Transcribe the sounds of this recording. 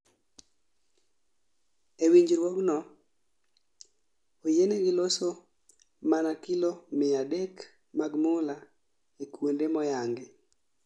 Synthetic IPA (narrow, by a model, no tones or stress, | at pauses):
ewiɲd͡ʒɾwɔɡnɔ | ojeneɡɪloso | manakilomɪadek | maɡmʊla | ekwondemɔjaŋɡe